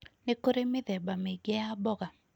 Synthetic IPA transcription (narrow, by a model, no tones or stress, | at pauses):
nekoɾemɪðɛbameɡɛabɔɡa